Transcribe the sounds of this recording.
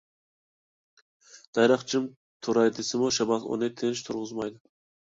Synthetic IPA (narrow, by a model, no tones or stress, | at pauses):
d̪̥ɑjɾɑχt͡ʃʰim | t̪ʰuɾɑjd̪ɪsɪmuʃɑbɑt̪o̰nɨt̪ʰenʃt̪ʰuɾʁʊzmɑjd̪ɨ